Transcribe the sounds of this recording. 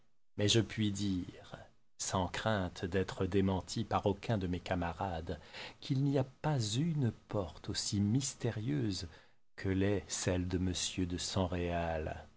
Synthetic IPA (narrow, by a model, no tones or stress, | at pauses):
mɛʒəpɥid̪iʁ | sɑ̃kχɛ̃t̪d̪ɛt̪χəd̪emɑ̃t̪ʰipaʁokʲʰɛ̃d̪əmekamaʁad̪kʰilniapazynpɔʁt̪osimist̪eʁjøz | kʰəlɛsɛld̪əməsjød̪əsɑ̃ʁeal